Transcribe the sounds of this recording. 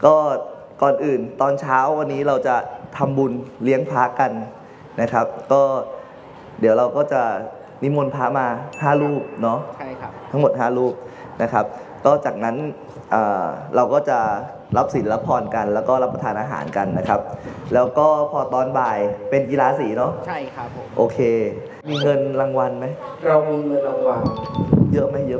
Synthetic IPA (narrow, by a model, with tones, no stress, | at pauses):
kɔː˥˩ | kɔː˨˩nʔɯː˨˩nt̪ɔː˧nt͡ɕʰaː˦˥wːa˧nːiː˦˥ɾa˧wt͡ɕa˨˩t̪ʰa˧mbu˧nli˦˥əŋpʰaː˦˥ka˧n | na˦˥kʰa˦˥p̚kɔː˥˩ | di˨˩˦wɾa˧wkɔː˥˩t͡ɕa˨˩ | ni˦˥mo˧npʰaː˦˥maː˧haː˥˩ɾuː˥˩p̚nɔ˦˥t̪ʰa˦˥ŋmo˨˩t̪̚haː˥˩ɾuː˥˩p̚ | na˦˥kʰa˦˥p̚ | kɔː˥˩t͡ɕaː˨˩k̚na˦˥n | ʔɤː˨˩ɾa˧wkɔː˥˩t͡ɕa˨˩ | ɾa˦˥p̚si˩˦nla˦˥pʰːɔː˧nka˧nlɛː˦˥wkɔː˥˩la˦˥pːa˧t̪ʰaː˧nʔaː˧ɦa̰ː˩˦nka˧nːa˦˥kʰa˦˥p̚lɛː˦˥wkɔː˥˩pʰɔː˧t̪ɔː˧nbaː˨˩jpe˧nki˧laː˧˥siː˨˦nɔ˦˥t͡ɕʰ | ʔoː˧kʰeː˧ | miː˧ŋɤ˧nla˧ŋwa˧nma˦˥j | ɾa˧wmiː˧ŋɤ˧nla˧ŋwa˧njɤ˦˥ʔma˥˩jɤ˦˥